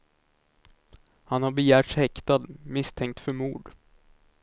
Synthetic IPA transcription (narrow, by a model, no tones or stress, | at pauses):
hanhaɾbɛjæːʈʂhɛkt̪ad̪mɪst̪ʰɛŋk̚t̪fœɾmuːɖ